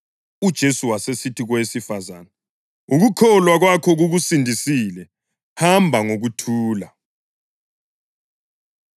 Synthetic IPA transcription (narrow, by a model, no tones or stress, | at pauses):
ud̥ʒ̥ʱesuwasesitʰiɣwesifaza̰ːnɛ | uɣukʰɔlwaɣwakʰɔɣuɣusindʱisilɛ | hambʱaŋoɣutʰuːla